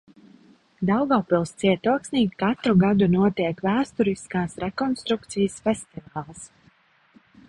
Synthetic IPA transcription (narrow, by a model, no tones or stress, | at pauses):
d̪awɡaːpilˠst̪siɛt̪uɔksniːkkat̪ɾuɡad̪unuɔt̪iɛkvæːst̪uɾiskaːsɾɛkɔnst̪ɾukt̪sijəsfɛst̪ivaːlˠs